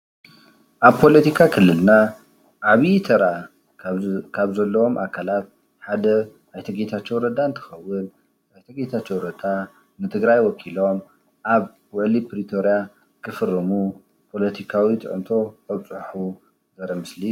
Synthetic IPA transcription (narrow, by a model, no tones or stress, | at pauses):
ʔaβpʰo̞lɐt̪ikʰakʰɨlːɨlna | ʔaβijt̪ʰɐɾa | kʰaβzɐlːɐwomʔakʰalat̪̚ | ħad̪ɐ | ʔajt̪ʰɐɡet̪ʰat͡ʃːowɾɐd̪aɨnt̪ʰɐ̥xɐwːɨn | ajt̪ʰɐɡet̪ʰat͡ʃːowɾɐd̪a | nɨt̪ʰɨɡɾajwɔkʰilo̞m | ʔaβ | wɔʕlipɾit̪ʰo̞ɾija | kʰɨfɨrːɐmu | pʰo̞lɐt̪ʰikʰawit̪ʰʼɨ̰ʕɨnt̪ʰo̞ɐβt͡sʼɨħu | zɐɾɐmɨsli